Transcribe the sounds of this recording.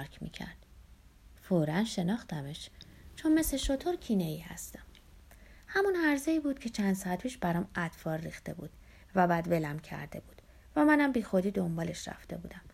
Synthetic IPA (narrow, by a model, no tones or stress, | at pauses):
ɾkʰmḭːcʰæ̰ɾd̪̥ | foːɾænʃe̞nɒːxt̪æme̞ʃt͡ʃʰonme̞sleʃo̞t̪ʰoɾcʰineiːhæ̰st̪æ̥m | hæmunhæɾzeiːbuːd̪̥̚cʰe̞t͡ʃʰænd̪̥sɒæt̪̚pʰiːʃbæɾɒːmæt̪fɒːɾrixt̪e̞buːd̪̥ | væbæd̪ve̞læmcʰæ̰ɾd̪e̞buːd̪ | væmænæmbiːxo̞d̪iːd̪o̞mbɒːle̞ʃɾæ̰ft̪e̞buːd̪æm